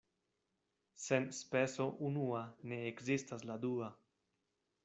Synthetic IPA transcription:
se̞nspeso̞ʔunuane̞ːkzistasladua

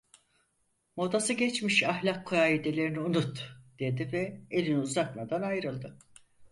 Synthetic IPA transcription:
mod̪asɯɟɛt͡ʃmiʃahlʲakːaːjid̪e̞lʲe̞ɾiniunut̪ːʊ̥d̪̥e̞d̪ivɛelʲiniuzakmad̪anajɾɯlˠd̪ɯ

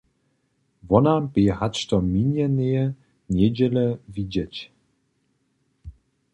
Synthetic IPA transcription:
vɔnapejɛhat͡ʃt̪ɔminʲjɛnʲejɛ | ɲed͡ʑɛlɛvid͡ʑɛt͡ɕ

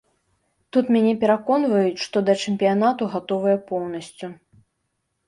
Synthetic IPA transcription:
t̪ut̪mʲanʲɛpʲɛɾakɔnvɐjut͡sʲʂt̪ɔd̪ɐt͡ʂɛmʲpʲijanat̪uɣat̪ɔvɐjɛpɔwnɐsʲt͡sʲu

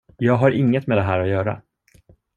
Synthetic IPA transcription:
jɑːɡɦaɾʔɪŋːət̪mɛːd̪ɛɦæːɾɔjœːɾa̰

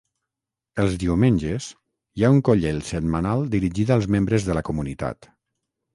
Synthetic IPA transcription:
əlˠzðiumeɲʲd͡ʒəz | jauŋkoʎelsət̪manalˠd̪iɾiʒiðəlˠzmembɾəzðələkumunit̪a̰t̪

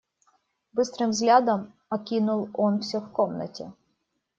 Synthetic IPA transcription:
bɨst̪ɾɨmvzɡlʲad̪əm | ɐkʲinʊlˠonfsʲofkomnə̰tʲɪ̰

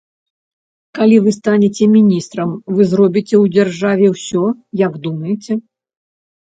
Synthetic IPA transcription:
kalʲivɨst̪anʲɛt͡sʲɛmʲinʲist̪ɾɐmvɨzrɔbʲit͡sʲɛwd͡zʲarʐavʲɛwsʲɔjɐɡd̪umɐjɛt͡sʲɛ

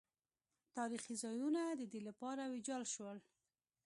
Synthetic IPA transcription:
t̪ɑɾixizɑjunad̪əd̪elapɑɾawɪd͡ʒɑlʃwəl

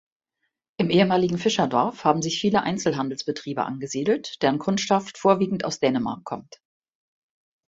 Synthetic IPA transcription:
ʔɪmʔeːəmaːlɪɡŋ̩fɪʃɐdɔɐfhaːbm̩zɪçfiːləʔa̰ɪnt͡sl̩ɦandl̩sb̥ətʁ̥iːbə̰ʔa̰nɡəziːdl̩td̥eːʁənkʰʊntʃaftfoːɐviːɡŋ̩ta̰ʊsd̥ɛːnəma̰ɐkʰːɔmt

